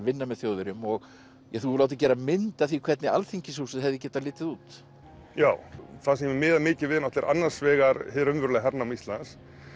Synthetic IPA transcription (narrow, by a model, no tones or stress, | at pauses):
vɪnːamɛðθjoːwðʏɾʏmɔɣ | jɛθulawt̪acɛːɾamɪnt̪aθikʰv̥ɛt̪nɪa̰lθiɲcɪsusʏðɦɛvðɪcɛːt̪aðlɪːt̪ɪðuːt̪ | jaːwθasɛmɪmɪːðamɪːcɪvɪːðɪnɔht̪lɪɾʔa̰nːar̥svɛːɣaɾhɪɾʏnvʏɾʏlɛɦaɾnamist̪lans